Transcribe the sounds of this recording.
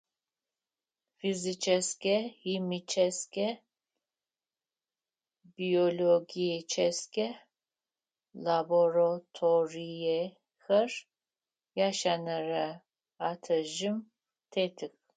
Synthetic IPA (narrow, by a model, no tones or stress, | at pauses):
fizit͡ʃʰɛskʲɛhimit͡ʃʰɛskʲʰɛ | bioloɡijɛt͡ʃʰɛskʰʲɛ | laboɾat̪ʰoɾijɛ | xər | jaʃanaɾa | at̪ʰɐʒɨm | t̪ʰet̪ʰɨk